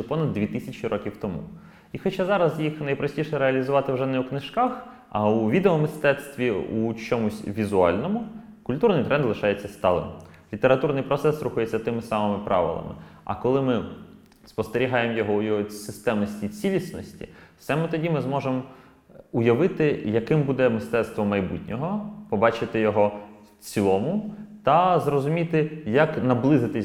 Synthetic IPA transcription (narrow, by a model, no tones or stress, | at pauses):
pɔnɐd̪ːʲʋʲit̪ɪsʲɐt͡ʃiɾʔɔkʲiwt̪ɔmṵ | ixɔt͡ʃazɑɾɐzjixnɐjpɾɐsʲtʲiʃɛɾeɐlʲizʊʋɑt̪ɪwʒɛnɛwknɪʃkɑx | ɐ̰ʊʋʲid̪eɔmɪst̪ɛt̪st̪ʋʲiut͡ʃɔmʊsʲʋʲizʊɑ̰lʲnɔmʊ | kʊlʲt̪urnɪjt̪ɾʔɛnd̪lˠɪʃɑjet͡sʲːɐst̪ɑlˠɪ̰m | lʲit̪eɾɐt̪urnɪjpɾɔt̪sɛsɾuxʊjet͡sʲːɐt̪ɪmɪsɑmɪmɪpɾʔɑ̰ʋɪ̰lˠɐ̰mɪ̰ɐ̰kɔlˠɪmɪ | spɔst̪eɾʲiɦɑjemɔjɔɦɔʊjɔɦɔsɪst̪ɛmnɔsʲtʲit͡sʲilʲisnɔsʲtʲḭsɛmɪt̪ɔdʲimɪzmɔʒem | ʊjɐʋɪt̪ɪjɐkɪmbud̪ɛmɪst̪ɛt̪st̪ʋɔmɐjbṵtʲnʲɔɦɔpɔbɑt͡ʃɪt̪ɪjɔɦɔ | t͡sʲilˠɔmʊt̪ɐzrɔzʊmʲit̪ɪjɐknɐblˠɪzɪt̪ɪ